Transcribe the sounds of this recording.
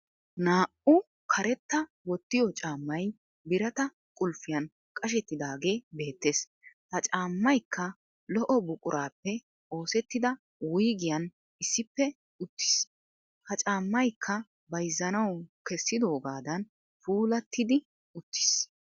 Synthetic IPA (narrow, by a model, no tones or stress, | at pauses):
naːʔʊ | kʰɐɾɛt̪ːɐ | wɔt̪ːɪjɔt͡ʃʼaːmːɐj | bɪɾɐt̪ɐ | kʼʊlfɪjɐn | kʼɐʃ̬ɛt̪ːɪd̪aːɡe̞ːbe̞ːt̪ːeːs | hɐt͡ʃʼaːmːɐjkːɐ | lɔʔɔbʊkʼʊɾʔaːpːɛ | o̞ːsɛt̪ːɪd̪ɐ | wʊjɡɪjɐn | ɪsːɪpːɛ | ʊt̪ːɪ̥s | hɐt͡ʃʼaːmːɐjkʰːɐ | bɐjzːɐnɐwkɛsːɪd̪o̞ːɡaːd̪ɐn | fuːlɐt̪ːɪd̪ɪ | ʊt̪ːɪ̥s